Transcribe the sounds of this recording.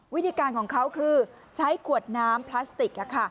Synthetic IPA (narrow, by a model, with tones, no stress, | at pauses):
wi˦˥t̪ʰiː˧kaː˧nkʰɔː˩˦ŋkʰa˦˥wkʰɯː˧ | t͡ɕʰa˦˥jkʰu˨˩ət̪̚naː˦˥mpʰlaː˦˥st̪i˨˩k̚ʔa˨˩kʰa˥˩